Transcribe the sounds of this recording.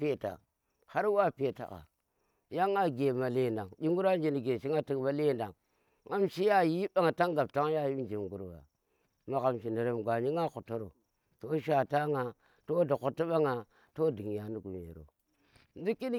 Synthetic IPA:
pe˦ta̰˨ | ha˦ɾwa˦pe˨ta̰˨ka̰˨ | ja˦ŋa˦ɡe˨ma˨le˦nda˨ŋd͡ʒi˦ŋɡu˦ɾa˦nd͡ʒi˨ni˨ɡe˨ʃi˦ŋa˦ti˨kma˨˦le˦˨nda˨ŋ | ŋa˦mʃi˦ja˦ji˦ɓa˦ŋa˨ta˦ŋɡa˨p̚ta˦ŋ˦ja˦˨ji˦nd͡ʒi˨mɡu˨ɾwa̰˨ | ma˨ka˨mʃi˨ne˨ɾe˨mɡʷa˨ɲi˦ŋa˦ku˨to˦ɾo̰˨ | to˦ʃ̬a˨ta˦ŋa˨ | to˦da˨ku˨ti˦ɓa˦ŋa˨ | to˦di˨ŋja˨ni˦ɡu˨mḛ˨ɾo̰˨ | n˦du˦ki˦n˦

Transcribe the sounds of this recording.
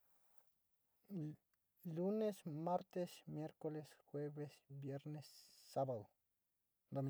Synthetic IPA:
lu˦ne˦sma˦ɾt̪esmje˦ɾko˦lesxwe˦besbje˦ɾnesːa˦bad̪o˨ | d̪o˨mi

